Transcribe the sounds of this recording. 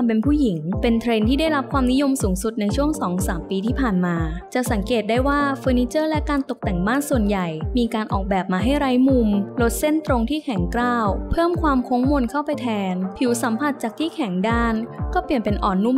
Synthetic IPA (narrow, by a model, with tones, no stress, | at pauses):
a˧mpe˧npʰuː˥˩ji˩˦ŋpe˧nt̪ʰɾe˧nt̪ʰiː˥da˥˩jɾa˦˥p̚kʰwaː˧mni˦˥jo˧msuː˩˦ŋsu˨˩t̪̚na˧jt͡ɕʰu˥˩əŋsɔː˩˦ŋsaː˩˦mpiː˧t̪ʰiː˥˩pʰaː˨˩nmaː˧t͡ɕa˨˩sa˩˦ŋkeː˨˩t̪̚daː˥˩jwaː˥˩fɤː˧niː˦˥t͡ɕɤː˥˩lɛ˦˥kaː˧nt̪o˨˩k̚t̪ɛ˨˩ŋbaː˥˩nsu˨˩ənja˨˩jmiː˧kaː˧nʔɔ̰ː˨˩k̚bɛː˨˩p̚maː˧ɦa˥˩jɾa˦˥jmu˧mlo˦˥t̪̚se˥˩nt̪ɾo˧ŋt̪ʰiː˥˩kʰɛ˩˦ŋklaː˥˩wpʰɤː˥˩mkʰwaː˧mkʰo˦˥ŋmo˧nkʰa˥˩wpa˧jt̪ʰɛː˧npʰi˩˦wsa˨˩˦mpʰa˨˩t̪̚t͡ɕaː˨˩k̚t̪ʰiː˥˩kʰɛ˨˩˦ŋdaː˥˩nkɔː˥˩pi˨˩ənpe˧nʔɔː˨˩nːu˥˩˨